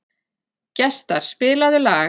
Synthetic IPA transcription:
cɛst̪aɾ̥spɪːlaðʏlaː

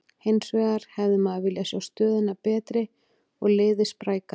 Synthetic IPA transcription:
hejnsvɛːɣaɾ̥hɛvðɪmaðavɪljasawst̪œːðɪnapɛːt̪ɾɪ | ɔɣlɪːðɪspɾaːjka

